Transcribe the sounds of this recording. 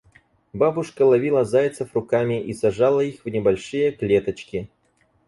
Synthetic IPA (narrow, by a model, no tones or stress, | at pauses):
babʊʂkəlˠɐvʲilˠəzajt̪səfrʊkamʲɪʔisɐʐalˠəixvnʲɪbɐlʲʂɨjəklʲet̪ət͡ɕkʲɪ